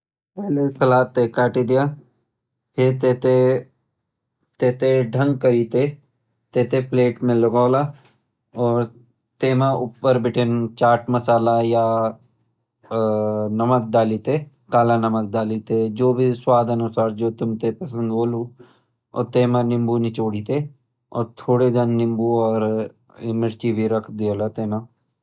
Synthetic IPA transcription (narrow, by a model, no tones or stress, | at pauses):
pɛɦlesɐlaːt̪ːekaːʈid̪ijaː | pʰet̪eːt̪e | t̪eːt̪eɖʱə̃ŋɡ̚kəɾiːt̪e | t̪eːt̪epleːʈmẽlɐɡaːla | ɔːɾ | t̪eːmãʊpːəɾbɪʈʰent͡ʃaːɾʈmɐsaːlaja | nəmək̚d̪aːliːt̪e | kaːlanəmək̚d̪aːlit̪ed͡ʒoːbʱiswaːd̪ənʊsaːɾd͡ʒoːt̪ʊmt̪epɐsə̃nd̪boːlu | ɔ̰ːɾt̪eːmãnɪ̃mbunit͡ʃoːɽiːt̪e | ɔ̰ːɾt̪ʰoːɽed̪ənːɪ̃mbuɔːɾ | ɪmɪɾt͡ʃibʱiɾɐkʰd̪ioːlat̪eːnã